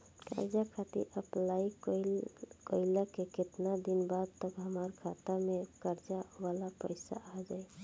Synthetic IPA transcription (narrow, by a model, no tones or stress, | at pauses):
kə̰ɾd͡ʒakʰat̪ḭɾəplai | kəɪləkeket̪nad̪inbad̪̚t̪əbɦəmaɾkʰat̪əɾmekəɾd͡ʒaʋalapəɪsa̰ad͡ʒaj